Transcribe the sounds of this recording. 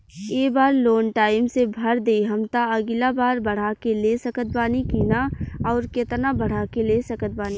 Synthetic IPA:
eːbaːɾloːnʈaːɪmsebʱɐɾd̪eiɦɐmt̪aəɡɪlabaːɾbəɽ̤akelesəkət̪̚baːnikinaɔːɾket̪nabəɽ̤akelesəkət̪̚baːni

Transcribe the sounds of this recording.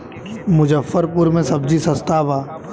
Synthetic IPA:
mʊd͡ʒəfːəɾpuɾmẽsɐbd͡ʒisɐ̃st̪aːʋaː

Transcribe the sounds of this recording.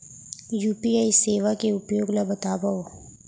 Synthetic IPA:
juːpiaːiseːʋakeʊpjoːɡlabɐt̪aːbao

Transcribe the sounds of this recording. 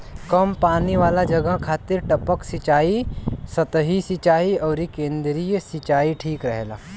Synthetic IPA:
kɐmpaːniʋaːlad͡ʒɐɡəkʰaːt̪ɪɾʈɐpəksɪt͡ʃaːisɐt̪ɦisɪt͡ʃaːiɔːɾikẽːnd̪ɾiːjəsɪt͡ʃaːiʈʰiːkɾɛɦla̰ː

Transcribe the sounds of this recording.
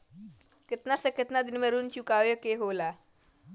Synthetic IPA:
ket̪nasəkət̪nad̪inməɾuːnt͡ɕukaʋjəkeɦola

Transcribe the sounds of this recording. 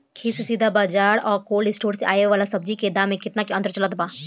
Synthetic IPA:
kʰiːssiːd̪ʱabaːd͡ʒaːɽɔːɾkoːlɪsʈoːɾseʔa̰ːjeʋaːlasɐb̚d͡ʒiked̪ãːmẽkɪt̪nakeɐ̃nt̪ɾt͡ʃɐlət̪baː

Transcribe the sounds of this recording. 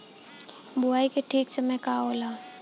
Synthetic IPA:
bʊaːikeʈʰiːksemɛ̃kaoːlaː

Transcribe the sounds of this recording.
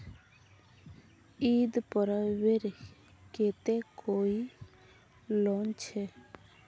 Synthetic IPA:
id̪pɔɾaweɾ | ket̪ekʰoi | lɔnt͡ʃʰe

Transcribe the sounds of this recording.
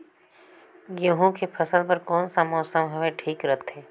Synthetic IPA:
ɡoːɦõkepʰəsəlpɐɾkɔːnsamɔːsəmɦoeʈʰiːkɾɐt̪ʰɦɛ̃ː

